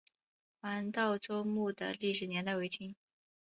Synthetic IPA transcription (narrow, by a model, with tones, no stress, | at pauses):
wa˧˥nt̪ɑ˥˩ʊʈ͡ʂo˥ʊmu˥˩d̪ə̰˩li˥˩ʂɻ̩˨˩njɛ˧˥nt̪a˥˩ɪwe˧˥ɪt͡ɕʰi˥n